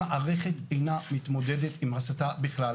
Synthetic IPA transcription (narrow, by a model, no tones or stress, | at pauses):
aʔaʁeχet̪e̞jnamit̪mo̞dedetimasatabiχla